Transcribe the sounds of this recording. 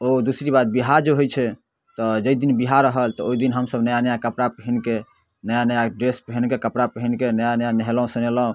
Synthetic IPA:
od̪usɾibat̪̚biɦaɾd͡ʒeɦojt͡ʃʰɛ | t̪ɔd͡ʒəid̪inbiɦaɾəɦəlt̪ɔoid̪inɦəmsəbnəjanəjakəpɾapəɦinke | nəjanəjaɖɾespəɦinkekəpɾapəɦinkenəjanəjanəɦeləũsəneləɦũ

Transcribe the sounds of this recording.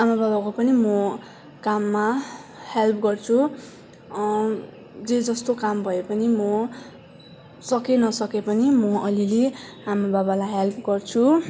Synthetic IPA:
amababakopʌnimʌ | kamːahelpʰɡʌrt͡sʰu | d͡zed͡zʌst̪okambʱʌepʌnimʌ | sʌkenʌsʌkepʌnimʌʌlile | amababalajɦelpʰɡʌrt͡sʰu

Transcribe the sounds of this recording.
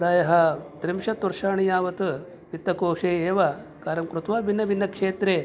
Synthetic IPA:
ɾaːjɐɦɐt̪ɾimʃɐt̪ːuɾʃaːɳijaːʋɐt̪ɨ | ʋit̪ːɐkoːʂeːeːʋɐkaːɾɐmkɾut̪ʋaːbinːɐbinːɐkʂeːt̪ɾeː

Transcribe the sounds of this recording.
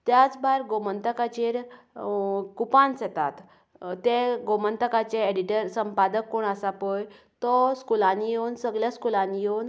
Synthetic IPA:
t̪jat͡sbaɾɡomənt̪əkat͡ɕeɾ | kupãnsɛt̪a̰t̪ː | ẽɡomənt̪əkat͡ɕeeɽiʈəɾsəmpad̪əkːoɳəsapəj | t̪ɔskulanijewnsəɡljaskulanijewn

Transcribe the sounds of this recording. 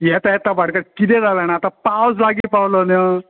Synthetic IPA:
jɛt̪ajɛt̪abaɽkakit̪ẽd͡zalanaat̪ãpawslaɡiːpawlənə

